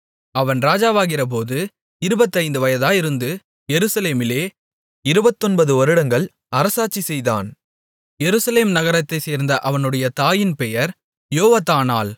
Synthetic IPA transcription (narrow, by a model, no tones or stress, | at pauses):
ɐʋɐnɾaːd͡ʒaːʋaːɣɪrɐp̬oːðɯ | ɪɾɯbɐt̪ːɐɪnd̪ɯʋɐjɐðaːɪɾɯnd̪ɯ | jɛɾɯsɐleːmɪleː | ɪɾɯbɐt̪ːɔnbɐðɯɔɾɯɽɐŋɡɐɭ | ɐɾɐsaːt͡ʃːisɛjða̰ːn | jɛɾɯsɐleːmnɐɣɐɾɐt̪ːɐɪseːɾnd̪ɐʔɐʋɐnɯɽɐjɐt̪aːjɪnpɛjɐɾ | joːʋat̪ːaːna̰ːl